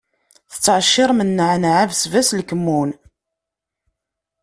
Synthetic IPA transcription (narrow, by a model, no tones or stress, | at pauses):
θə̥t͡sːəʕʃːɪɾˤmənːəʕnʕavsvæslkəmːun